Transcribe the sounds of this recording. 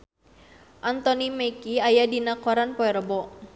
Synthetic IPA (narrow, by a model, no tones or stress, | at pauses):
ʔant̪ɔnimekiajadinakɔɾanpɔɛɾɔbɔ